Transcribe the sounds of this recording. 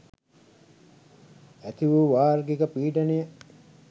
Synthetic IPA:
æt̪iʋuːʋaːɾɡikəpiːɖɐnijə

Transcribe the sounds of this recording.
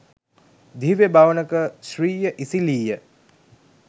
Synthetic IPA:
d̪ʱiʋebaʋənəkəʃriːjəʔisiliːjə

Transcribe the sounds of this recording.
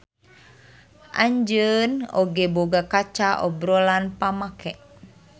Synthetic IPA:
ʔa̰ɲd͡ʒəno̰ɡeboɡakat͡ʃaʔɔ̰bɾolanpamakɛʔ

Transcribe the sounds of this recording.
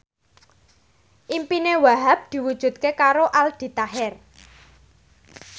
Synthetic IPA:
ʔimpinewaɦap̚d̪̥i̤wud̥ʒ̥ṳt̪̚kekaɾoʔald̪̥i̤t̪aɦɛr

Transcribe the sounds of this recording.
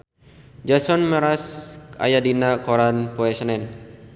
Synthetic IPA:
d͡ʒasɔnməɾasa̰jadinakɔɾanpoɛsnɛn

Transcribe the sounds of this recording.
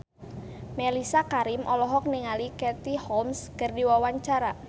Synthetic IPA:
melisakaɾɪmʔɔlɔɦɔk̚niŋalikɛt̪ihɔmskərdiwawaɲt͡ʃaɾa

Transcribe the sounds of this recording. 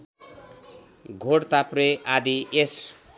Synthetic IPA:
ɡʱoɽt̪apreʔad̪iʔes

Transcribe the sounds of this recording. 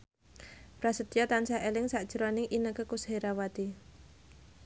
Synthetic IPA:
b̥ɾasət̪ijat̪ansaelɪŋsaʔd̥ʒ̥əɾonɪŋʔinəkəkusheɾawat̪i

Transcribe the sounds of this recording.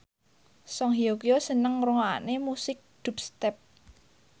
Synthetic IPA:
sɔŋɦiokiosənəŋruŋaa̰nemusɪk̚d̪̥ṳp̚st̪ɛp̚

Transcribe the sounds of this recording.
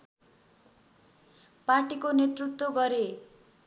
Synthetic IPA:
parʈikonet̪rut̪woɡʌɾe

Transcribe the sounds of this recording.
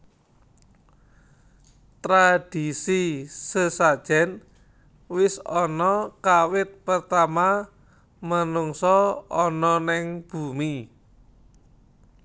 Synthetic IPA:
t̪ɾad̥isisəsad̥ʒ̥ɛ̤n | wɪsɔnɔkawɪt̪̚pərt̪ama | mənuŋsɔɔnɔnɪŋb̥umi

